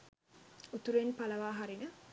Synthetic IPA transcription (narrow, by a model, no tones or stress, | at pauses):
ut̪uɾenpaləʋaːɦaɾinə